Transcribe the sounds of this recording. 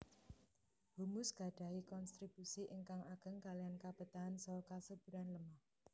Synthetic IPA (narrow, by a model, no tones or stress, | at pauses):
b̥umʊsɡ̥a̤ɖ̥a̤ikɔnst̪ɾib̥usiʔəŋkaŋaɡ̥əŋkaliankab̥ə̤t̪aɦansɔkasəb̥ṳɾanləmah